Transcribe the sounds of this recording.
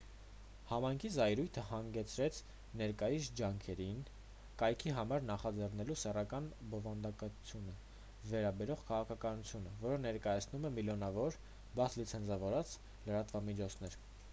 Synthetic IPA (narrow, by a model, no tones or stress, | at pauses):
hɑmɑjŋkʰizɑjɾujt̪ʰəhɑŋɡɛt͡sʰɾɛt͡sʰ | nɛɾkɑjisd͡ʒɑŋkʰɛɾin | kɑjkʰiɦɑmɑɾnɑχɑd͡zɛrnɛlusɛrɑkɑnbɔvɑnd̪ɑkɑt͡sʰjunə | vɛɾɑbɛɾɔʁkʰɑʁɑkʰɑkɑnut͡sʰjunəvɔɾənɛɾkɑjɑt͡sʰnumɛmiljɔnɑvɔɾ | bɑslit͡sʰɛnt͡sʰɑvɔɾɑt͡s | ləɾɑt̪vɑmit͡ʃʰɔt͡sʰnɛɾ